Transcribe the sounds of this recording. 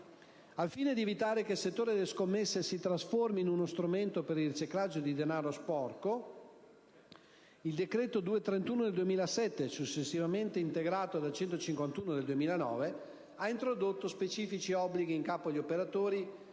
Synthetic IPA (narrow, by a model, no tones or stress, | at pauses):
alfiːned̪ievit̪aːɾekelset̪ːoːɾid̪eleskomːesːesit̪ɾasforminunost̪ɾument̪opeɾilrit͡ʃiklad͡ʒːod̪id̪enaːɾospɔrko | ild̪ekɾɛːt̪od̪uːet̪ɾent̪uːnod̪eld̪uemiːlasɛt̪ːesut͡ʃːesːivament̪eint̪eɡɾaːt̪od̪alt͡ʃɛnt̪ot͡ʃiŋkwant̪uːnod̪eld̪uemiːlanɔ̰ːve | aint̪ɾod̪ot̪ːospet͡ʃiːfit͡ʃiɔbːliɡiːŋkaːpoʎiopeɾat̪oːɾi